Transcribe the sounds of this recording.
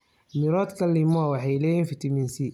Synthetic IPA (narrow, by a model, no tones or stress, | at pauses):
mɪɾɔːd̪kʰɐlːɪmɔwɑħɑjlɛːjiːnfɪt̪ʰɐmiːnsi